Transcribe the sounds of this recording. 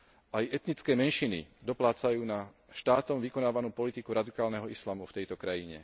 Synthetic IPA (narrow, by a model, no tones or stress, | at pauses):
ʔajɛt̪nit͡skɛːmɛnʃinḭd̪ɔplaːt͡sajuːna | ʃt̪aːt̪ɔmʋikɔnaːʋanuːpɔlit̪ikuɾad̪ikaːlnɛɦɔislamuft̪ɛjt̪ɔkɾajiɲɛ̰